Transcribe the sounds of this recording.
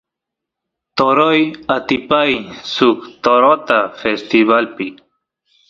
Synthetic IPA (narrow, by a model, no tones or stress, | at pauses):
t̪oɾojat̪ipajsukt̪oɾot̪afest̪ivalpi